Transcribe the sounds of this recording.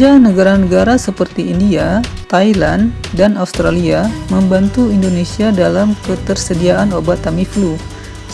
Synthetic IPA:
anəɡaɾanəɡaɾasəpərt̪iindiat̪ailandanaust̪ɾaliaməmbant̪uindonesiadalamkət̪ərsədiaʔanobat̪amiflu

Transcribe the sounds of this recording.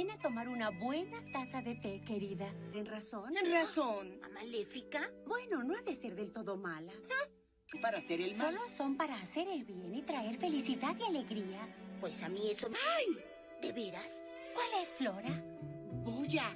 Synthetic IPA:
enat̪o̞maɾunaβwe̞nat̪asaðe̞t̪eke̞ɾiðat̪enraso̞nenrasona̰malefikabwe̞no̞noaðe̞se̞ɾðe̞lt̪o̞ðo̞mala | paɾaseɾelsmoloso̞mpaɾaːseɾe̞lβje̞nit̪ɾae̞ɾfe̞lisiðaðjale̞ɣɾiapwesamiesoaj | d̪eβeɾas | kwale̞sflo̞ɾa | boʝa

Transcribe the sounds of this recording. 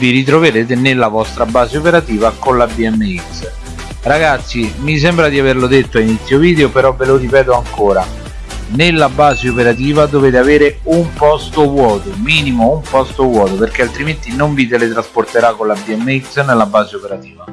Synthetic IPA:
viɾit̪̬ɾoveɾeːt̪̬enelːavɔst̪ɾabaːzeopeɾat̪iːvakonlabiɛmːeiks | raɡat̪sːimis̬ɛmbɾad̪iaverlod̪et̪ːoainit̪sːjoviːd̪eopeɾɔveloripɛːt̪oaŋkoːɾa | nelːabaːzeopeɾat̪iːvad̪oveːt̪eaveːɾeumpɔst̪ovwɔːt̪omiːnimoumpɔst̪ovwɔːt̪operk̟ealt̪ɾiment̪inoɱvit̪̬elet̪ɾasport̪eɾakːolabiɛmːeiksnelːabːaːzeopeɾat̪iːva

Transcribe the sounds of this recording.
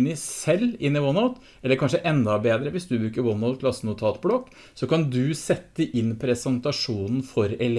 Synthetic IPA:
nɪsɛlːɪnːɪwɔnaʊt̪ | ʔɛlːəɾkʰɑnʂəʔɛnd̪ɑbeːd̪ɾəʋɪsd̪ʉbɾʉːkəɾwɔnaʊt̪̚kʰlɑsənʊt̪ʰɑːt̪blɔkː | sɔkɑnd̪ʉsɛt̪ːəʔɪnːpʰɾɛsɛnt̪ɑʂuːnn̩fɔɾɛl

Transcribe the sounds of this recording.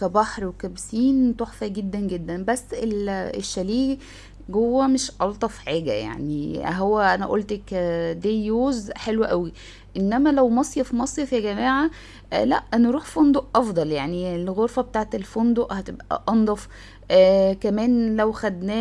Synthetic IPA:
kæbɑħɾwekæbsiːnt̪oħfæɡed̪ːænɡed̪ːænbæsːeleʃːæliːɡ | ɡowːæmeʃʔɑlt̪ˤɑfħaːɡæ̰ja̰ʕnḭɦowːæʔænæʔolt̪kæd̪eːjoːzħelwæʔæwi | ʔenːæmælæwmɑsˤjefmɑsˤjefjæɡæmaːʕa | læ̰ʔneɾuːħfond̪oʔʔɑfd̪ˤɑljaʕnielɣoɾfɑbet̪aːʕet̪elfond̪oʔhæt̪ebʔæ̰ʔɑnd̪ˤɑf | ʔːkæmæːnlæwxæd̪næː

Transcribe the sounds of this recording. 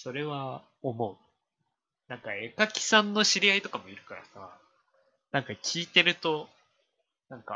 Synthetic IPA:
so̞ɾe̞βa | omo̞ɯ̟ | nãŋkae̞kakʲi̥sãnːo̞ɕiɾʲiait̪o̞kamo̞iɾɯ̟kaɾa̰sa | nãŋkakʲʰiːt̪e̞ɾɯ̟t̪o̞ | nãŋka

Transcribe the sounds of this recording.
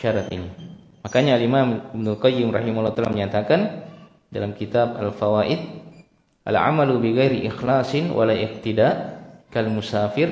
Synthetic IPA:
aɾat̪ḭni | makaɲaːlimamɪbnʊlqɑjːɪmrɑhimaulːt̪alaməɲat̪akan | dalamkit̪ab̚a̰lfawaʔɪd̪̚ | ʔa̰lʕa̰malubiɣajɾiʔɪxlaːsɪnwʔa̰laʔɪq̚t̪idaʔkalmusaːfɪr

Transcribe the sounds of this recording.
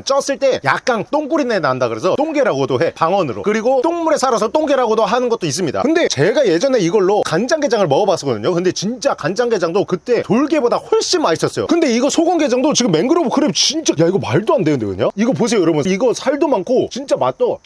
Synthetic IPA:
nt͡ɕ͈ʌs͈ɯɭt͈e̞ja̰k̚k͈ant͈oŋk͈uɾinenandaɡɯɾe̞sʰʌt͈oŋɡe̞ɾaɡodohe̞paŋwʌnɯɾo̰kɯɾiɡot͈oŋmuɾe̞sʰaɾasʰʌt͈oŋɡe̞ɾaɡodoɦanɯnɡʌt̚t͈ois̬͈ɯmɲida̰kɯnde̞t͡ɕe̞ɡaje̞d͡ʑʌne̞iɡʌɭːokand͡ʑaŋɡe̞d͡ʑaŋɯɭmʌʌbas͈ɯɡʌdɯɲokɯnde̞t͡ɕint͡ɕ͈akand͡ʑaŋɡe̞d͡ʑaŋdokɯt͈e̞toɭɡe̞bodahoɭɕ͈imat͡ɕʰʌs͈ʌjo̰kɯnde̞iɡʌsʰoɡoŋɡe̞d͡ʑaŋdot͡ɕiɡɯmːe̞nɡɯɾʌbokɯɾet͡ɕint͡ɕ͈ajaiɡʌmaɭdoandenɯnde̞̰kɯ̰ɲaiɡʌp̬os̬ʰejojʌɾʌbuniɡʌsʰaɭdomankʰot͡ɕint͡ɕ͈amat̚t͈ʌ

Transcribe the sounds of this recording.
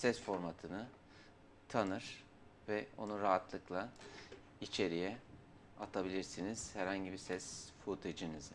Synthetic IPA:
sɛsfo̞ɾmat̪ʰɯnɯ | t̪ʰanɯɾ̥ | vɛo̞̰nuɾaɦat̪lˠɯklˠa | it͡ʃʰe̞ɾijɛ | at̪ʰabilʲiɾsiniz̥hæɾhaɲɟibiɾsɛsfut̪ʰed͡ʒinɯz

